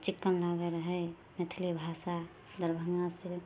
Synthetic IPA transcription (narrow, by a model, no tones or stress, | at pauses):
t͡ʃikːənlaɡəɾəɦəj | net̪ʰlibʱasa | d̪əɾbʱəŋasiɾ